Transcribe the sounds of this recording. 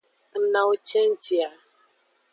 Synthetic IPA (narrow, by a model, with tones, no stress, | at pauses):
n̩˦na˨o˦t͡ʃe˦n̩˦t͡ʃi˨a˨